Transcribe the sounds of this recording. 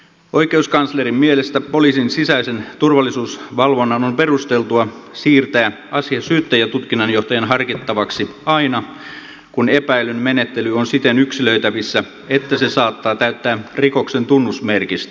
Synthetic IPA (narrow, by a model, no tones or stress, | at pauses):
o̞ikeuskɑnslerimmielest̪æpo̞liːsinsisæisent̪urʋɑlːisuːsʋɑlʋo̞nːɑnompe̞rust̪elt̪uɑsiːrt̪æː | ɑsiɑsyːt̪ːæjæt̪ut̪kinːɑnjo̞ht̪ɑjɑnɦɑrkit̪ːɑʋɑksiɑinɑ | kunepæilynmenet̪ːelyonsit̪enyksilø̞it̪æʋisːæ | et̪ːæsesɑːt̪ːɑːt̪æyt̪ːæːriko̞kse̞nt̪unːusmerkist̪